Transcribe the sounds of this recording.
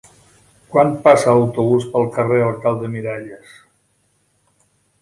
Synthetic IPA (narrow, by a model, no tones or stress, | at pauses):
kwanpasələwt̪uβuspəlˠkəreəlˠkalˠd̪əmiɾaʎəs